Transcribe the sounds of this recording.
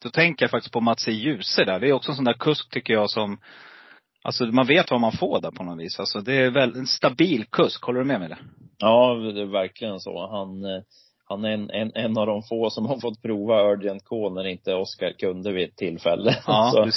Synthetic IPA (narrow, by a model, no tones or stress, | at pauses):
d̪̥ɔt̪ʰɛŋkəɾjafak̚t̪ɪ̥sk̚pʰɔmat̪sɛjʉ̟ːsəɖæːɖɛæjɔksɔɛnsɔnd̪æːɾkʰɵsk̚t̪ʰʏkːəɾjɑːsɔm | ʔa̰lsɔmanveːt̪vamanfoːɖɛɾpʰɔnɔt̪viːsalsɔd̪ɛævɛlɛnst̪abiːlkʰɵskhɔlːəɖɵmɛmɛɪd̪ɛ̰jɑːɛvæɾkʰlɪɡənso̰ːhan | hanænɛnɛnːavd̪ɔmfoːsɔmhaɾfɔt̪̚ːpʰɾuːvaœːɖɪɛnt̪̚kʰoːnæɾɪnt̪əɔskaɾkʰɵnd̪əvɪɛt̪ʰːɪlfɛ̰lːəɑːsɔd̪